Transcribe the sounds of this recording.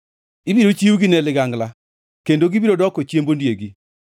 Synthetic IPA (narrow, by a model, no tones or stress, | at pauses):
ibiɾot͡ʃiuɡinɛlɪɡaŋɡla | kendoɡibiɾodɔkot͡ʃjembondjeɡi